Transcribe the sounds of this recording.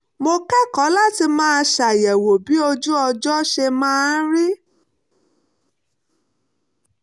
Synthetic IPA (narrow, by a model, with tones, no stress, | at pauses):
mo˧kɛ˦kɔ˨˦la˦ti˧mãː˦˧ʃa˨jɛ˨wo˨bi˨˦o˧d͡ʒu˦ɔ˧d͡ʒɔ˦ʃe˧mãː˦˧n̩˦ɾi˦